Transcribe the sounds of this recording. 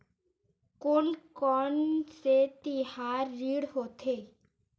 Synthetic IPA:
kʊlkɔːnset̪ihaːɾːiːɽɦoːt̪ʰeː

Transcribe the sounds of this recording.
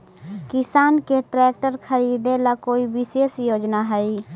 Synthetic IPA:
kɪsaːnkeʈɾɛːk̚ʈəɾkʰəɾiːd̪elakoːibɪseːsjoːd͡ʒnaɦɛi

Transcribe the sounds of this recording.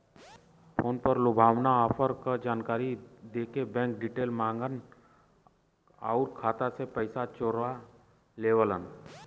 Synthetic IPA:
pʰoːnpəɾlʊbʱaːʋnaɔpʰəɾkad͡ʒaːnkaːɾid̪eːkebɛ̃ːŋk̚ɖiʈeːlmãːŋɡən | aʊɾkʰaːt̪asepəɪsat͡ʃoɾa | leːʋələn

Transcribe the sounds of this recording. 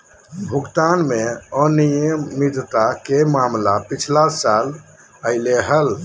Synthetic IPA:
bʱukt̪anmeənijəmːid̪t̪akemamlapit͡ʃʰlasal | əɪleɦəl

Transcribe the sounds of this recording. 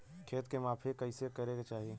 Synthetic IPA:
kʰeːt̪kemaːpʰekɐɪsekəɾeɡat͡ʃaːɦie

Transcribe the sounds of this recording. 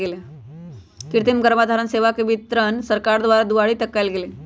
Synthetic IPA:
ɡele | kiɾt̪imɡəɾmad̪ʱaɾənseʋakəʋit̪ɾənsəɾkaɾd̪ʋaɾad̪uʋaɭiːt̪əkːajlɡele

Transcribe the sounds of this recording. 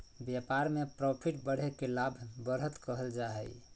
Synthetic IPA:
bjapaɾmepɾɔpʰiʈbəɽ̤ekelabʱbəɾɦət̪kəɦəld͡ʒaɦɛj

